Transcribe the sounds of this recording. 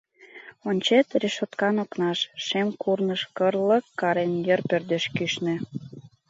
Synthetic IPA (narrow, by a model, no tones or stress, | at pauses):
onʲt͡ɕet̪reʃot̪kɑnoknɑʃʃemkʰurnəʃkərlə̆kːɑɾenjə̆rpørd̪eʃkyʃnĕ